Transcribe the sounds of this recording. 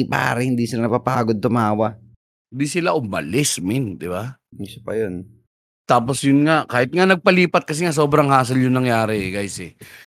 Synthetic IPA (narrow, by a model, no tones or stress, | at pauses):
pa̰ːɾɪhɪnd̪isɪlanɐpapaːɡod̪̚t̪ʊmaːwa | hɪnd̪isɪlaʔʊmɐ̰lɛsmɪnd̪ɪba | ɪsɐ̥pɐ̰jon | t̪aːposjʊnŋakaːhɪt̪̚ŋanɐɡ̚pɐliːpɐt̪̚kɐsɛŋas̬oːbɾɐŋhaːs̬ɐljʊŋnɐŋjaːɾɛɛɡajsɛ